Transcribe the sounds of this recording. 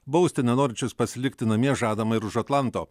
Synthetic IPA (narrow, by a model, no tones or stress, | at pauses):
bɐʊsʲt̪ʲɪnʲɛnoːɾʲɪnʲt͡ʃʲʊspɐsʲɪlʲɪkt̪ʲɪnɐmʲiɛʒɑːd̪ɐmɐɪɾʊʒɐt̪lˠɐˑnt̪oː